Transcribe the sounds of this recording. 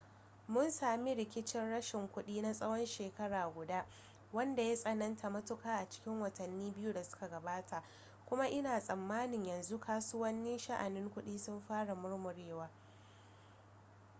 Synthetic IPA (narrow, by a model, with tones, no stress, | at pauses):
mʊ˦nsaː˨mi˦ɽɪ˨kʲɪ˦t͡ʃɪ˦nɽɐ˦ʃɪ˨ŋkʷʊ˦ɗiː˦na˦sʼɐ˦wɔ˦nʃeː˨kɐ˦ɽaː˨ɡʷʊ˨daː˦ | wɐ˦nda˨ja˦sʼɐ˨nɐ˦ntʰa˨mɐ˦tʊ˦kaː˦ʔa˨t͡ʃɪ̥˦kʲɪ˦ŋwɐ˨tʰɐ˨nːiː˦bɪ˦ju˦da˨sʊ̥˦ka˨ɡɐ˨baː˦tʰa˨ʔ | kʷʊ˦ma˦ʔɪ˦naː˨sʼɐ˨mːaː˦nɪ˨ɲjɐ˨nzu˦kʰaː˦sʊ˦wɐ˦nːiː˦ʃa˦ʔa˨nɪ˦ŋkʷʊ˦ɗiː˦sʊ˦mɸaː˦ɽa˨mʊ˦ɽmʊ˨ɽeː˦waː˦